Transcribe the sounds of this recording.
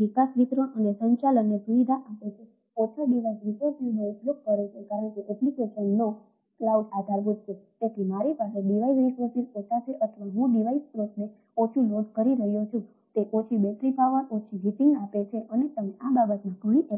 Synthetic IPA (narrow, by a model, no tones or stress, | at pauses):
ʋikasʋit̪ɾoʔənesəɲt͡ʃalənːesuʋid̪ʱaʔapet͡ʃʰe | ot͡ʃʰoɖiʋasɾisəɾsineuplok̚ːəɾet͡ʃʰekaɾəɳkeʔɛplikeʃənːo | klauɖad̪ʱaɾbud̪t͡ʃʰet̪et̪ʰimaɾipaɦeɖiʋaisɾikesiɾet̪ʰat͡ʃʰeʔət̪ʰʋaɦũɖiʋaispɾosne | ot͡ʃʰunod̪ʱkəɾiɾəɦjot͡ʃʰũ | t̪eʔot͡ʃʰibɛʈɾipaʋəɾot͡ʃʰiɦiʈiŋɡapet͡ʃʰeʔənet̪əmeʔababət̪mãkəɳ̃iʔ